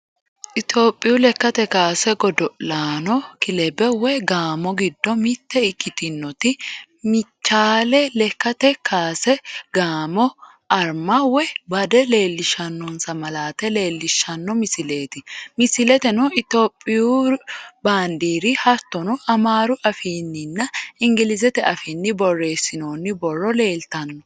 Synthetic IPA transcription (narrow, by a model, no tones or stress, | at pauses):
ʔɪt̪o̞ːpʼːɪjʊlɛkːɐt̪ɛkaːsɛɡɔd̪ɔʔlaːnɔkɪlɛbɛwɛɡaːmɔɡɪd̪ːɔmɪt̪ːɛɪkːɪt̪ɪnːɔt̪ɪ | mɪt͡ʃːaːlɛlɛkːɐt̪ɛkʰaːsɛɡaːmɔ | ʔɐɾmɐwɛbɐd̪ɛle̞ːlːɪʃɐnːɔnsɐmɐlaːt̪ɛle̞ːlːɪʃːɐnːɔmɪsɪle̞ːt̪ɪmɪsɪlɛt̪ɛnɔɪt̪oːpʼːɪjuːbaːnd̪iːɾɪhɐt̪ːɔnɔɐmaːɾʊʔɐfiːnːɪnːɐɪŋɡɪlɪzɛt̪ɛɐfiːnːɪbɔrːe̞ːsːɪnoːnːɪbɔrːɔle̞ːlt̪ɐnːɔ